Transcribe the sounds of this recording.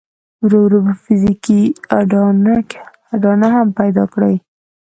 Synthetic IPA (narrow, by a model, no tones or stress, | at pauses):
ɾawɾubfɪzikiaɖn | aɖɑnahampajd̪ɑ̰kɽaj